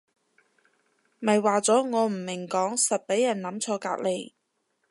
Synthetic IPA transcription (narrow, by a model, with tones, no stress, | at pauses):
mɐ˨jwaː˨t͡sɔː˨˥ŋɔː˨˧m̩˨˩mɪ˨˩ŋkɔː˨˥ŋsɐ˨t̚pe˨˥jːɐ˨˩nlɐ˨˥mt͡sʰɔː˧ka̰ː˧k̚le˨˧j